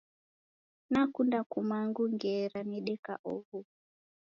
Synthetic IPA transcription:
nakundakumaŋɡuŋɡɛɾaniɗɛka̰ʔɔɦu

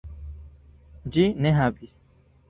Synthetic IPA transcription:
d͡ʒineɦabis

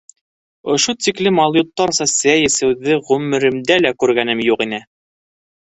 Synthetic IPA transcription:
ŏʃut̪iklɘmɑlˠjut̪ːɑɾsɑsæjɘ̆sɘ̆wðɘʁʉmɘ̆ɾɘ̆md̪ælækʉɾɡænɘmjuqinɘ

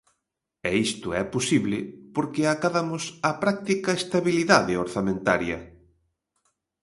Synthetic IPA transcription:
ɛist̪ʊɛposiβlɪpoɾkɪakaðamʊsapɾak̚t̪ikɐest̪aβiliðaðɪoɾθamẽnt̪aɾjɐ

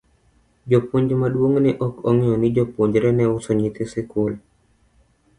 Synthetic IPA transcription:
d͡ʒopoɲd͡ʒomaɗwoŋnɛʔɔkɔŋiɔnid͡ʒopoɲd͡ʒɾɛnɛʊsɔɲit̪esɪkol

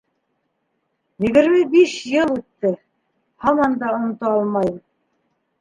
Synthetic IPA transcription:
jɘ̆ɡɘ̆ɾmɘbiʃjɤlˠʉt̪ːɘ | hɑmɑnd̪ɑŏnŏt̪oɑlˠmɑjm

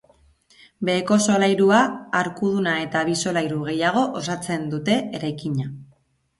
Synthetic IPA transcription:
be̞ːko̞so̞lajɾuaːɾkuð̞unae̞t̪aβ̞iso̞lajɾuɣ̞e̞jaɣ̞o̞ʔosat͡se̞nd̪ut̪e̞eɾajkiɲa

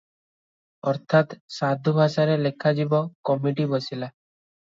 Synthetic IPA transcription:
ɔɾt̪ʰat̪sad̪ʱubʱaʃaɾelekʰːad͡ʒibɔkɔmiʈibɔsila

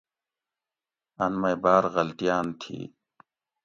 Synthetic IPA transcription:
ɐnmɐjbaːɾɣɐlt̪ijaːnt̪ʰḭː

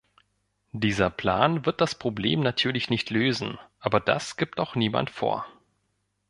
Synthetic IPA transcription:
d̥iːzɐpʰl̥aːnvɪɐt̚d̥aspʁ̥oblḛːmnatʰyːɐlɪçnɪçtʰløːzn̩ʔaːbɐda̰sɡ̥iːp̚taʊxniːma̰ntfo̰ːɐ

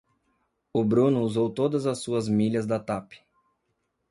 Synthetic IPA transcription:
ʊbɾũnʊuzowt̪od̪ɐzɐsuɐzmiʎɐzd̪ɐt̪apɪ̥

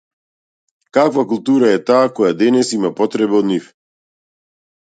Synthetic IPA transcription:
kakvakulˠt̪uɾaɛt̪aːkɔjad̪ɛnɛsimapɔt̪ɾɛbɛɔd̪nif

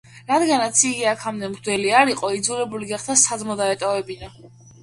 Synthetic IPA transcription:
ɾad̪ɡanat̪sʰiɡiakʰamd̪ɛmʁd̪ɛliaɾiqʼɔid̪zuɾɛbuliɡaχd̪asad̪zmɔd̪aɛt̪ʼɔvɛbina

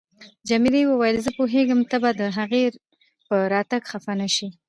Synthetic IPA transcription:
d͡ʒamilejwəwajəlzəpoɦeɡəmt̪abad̪əɦaɣeɾ | pəɾɑt̪aɡxafanaʃi

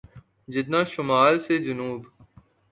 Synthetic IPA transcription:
d͡ʒɪt̪̚nãːʃʊmaːlsed͡ʒʊnuːb

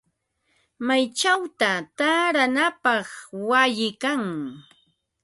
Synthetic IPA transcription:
majt͡ʃawt̪at̪aɾanapɑχwaʎɪkaŋ

